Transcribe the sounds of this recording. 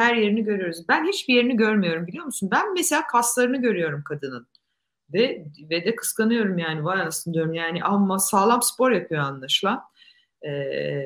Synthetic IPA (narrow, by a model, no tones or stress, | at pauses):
hæɾje̞ɾiniɟø̞ɾyjo̞ɾuzbænhit͡ʃbije̞ɾiniɟøɾmijo̞ɾumbilʲijo̞musunbænmeselʲaːkʰaslˠaɾɯnɯɟø̞ɾyjo̞ɾumkʰad̪ɯnɯn | vɛved̪ɛkʰɯ̥skanɯjo̞ɾumjaːnivajasɯnd̪ijo̞ɾumjaːniʔamːasaːlˠamspo̞ɾjapʰɯjoanlˠaʃlˠan | ɛ